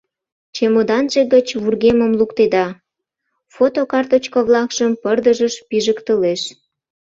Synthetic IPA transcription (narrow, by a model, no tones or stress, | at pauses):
t͡ɕemod̪ɑnʒeɣət͡ɕβurɣeməmlukt̪ed̪ɑ | fot̪okɑrt̪ot͡ɕkoβlɑkʃəmpərd̪əʒəʃpiʒəkt̪əleʃ